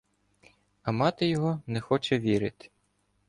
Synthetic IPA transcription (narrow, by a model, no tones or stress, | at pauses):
ɐmɑt̪ɪjɔɦɔnɛxɔt͡ʃɛʋʲiɾɪt̪ɪ̥